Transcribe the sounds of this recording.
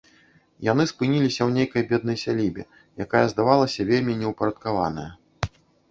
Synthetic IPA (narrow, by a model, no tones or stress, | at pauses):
jan̪ɨspɨnʲilʲisʲɐwnʲejkɐjbʲɛd̪̚nɐjsʲalʲibʲɛ̰ | jakajɐzd̪avalˠɐsʲɐvʲelʲmʲinʲɛwpɐɾɐt̪kava̰nɐjɐ